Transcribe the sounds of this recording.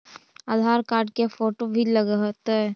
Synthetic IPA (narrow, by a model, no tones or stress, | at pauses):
ad̪ʱaːɾkaːɾɖ̚kefoːʈobʱiləɡat̪ɛ